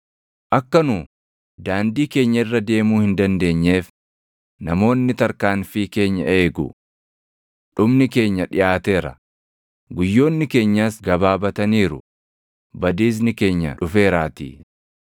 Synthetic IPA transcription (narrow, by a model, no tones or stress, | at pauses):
ʔɐkːɐnu | d̪aːnd̪iːke̞ːɲːɐɪrːɐd̪e̞ːmuːhɪnd̪ɐnd̪e̞ːɲːe̞ːf | nɐmo̞ːnːɪt̪ɐɾkaːnfike̞ːɲːɐ̰e̞ːɡʊ̰ | ᶑʊbnɪke̞ːɲːɐᶑɪjaːt̪e̞ːɾɐ̰ | ɡʊjːo̞ːnːɪke̞ːɲːaːsɡɐbaːbɐt̪ɐniːɾʊ | bɐd̪iːs̬nɪke̞ːɲːɐ̰ᶑʊfe̞ːɾaːt̪ḭː